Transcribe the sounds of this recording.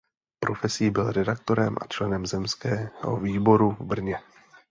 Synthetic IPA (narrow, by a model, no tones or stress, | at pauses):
pɾʔo̞fɛsiːbɪlɾɛdak̚t̪o̞ɾɛmʔa̰t͡ʃlɛnɛmzɛmskɛːɦo̰viːbo̞ɾuvbr̩ɲɛ